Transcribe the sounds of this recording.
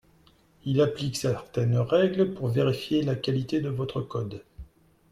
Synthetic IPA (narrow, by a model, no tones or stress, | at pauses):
ilapliksɛʁt̪ɛnʁɛɡləpuʁveʁifjelakalit̪ed̪əvɔt̪χəkɔd̪